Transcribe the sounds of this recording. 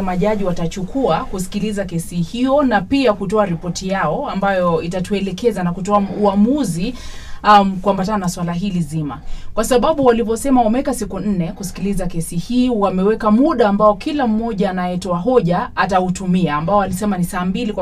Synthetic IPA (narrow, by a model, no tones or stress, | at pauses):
maʄaʄiwatat͡ʃukʰuakusi̥kilizakɛsihijɔnapiakutɔaɾipɔtijaɔambajɔitatuɛlɛkɛzanakutɔauamuzi | kuambatanaswalaɦilizima̰kwasaɓaɓuwalivɔsɛmawamɛwɛkasikun̩nɛkusi̥kilizakɛsihiːwamɛwɛkamuɗaːmbaɔkʰilam̩ːɔʄaːnajɛtɔaɦɔʄaːtautumiaːmbaɔalisɛmanisaːmbilik